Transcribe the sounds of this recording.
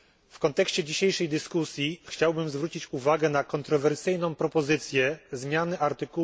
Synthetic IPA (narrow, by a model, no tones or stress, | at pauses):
fkɔnt̪ɛkɕt͡ɕɛd͡ʑiɕejʂɛjd̪ɘskusʲjixt͡ɕawbɘmzvɾut͡ɕit͡ɕuvaɡɛnakɔnt̪ɾɔvɛɾsɘjnɔ̃w̃pɾɔpɔzɘt̪sʲjɛzmʲjanɘʔaɾt̪ɘku